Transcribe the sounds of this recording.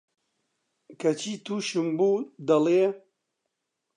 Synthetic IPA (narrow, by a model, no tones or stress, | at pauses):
kɐt͡ʃʰiːt̪ʰuːʃɨmbuːd̪ɐle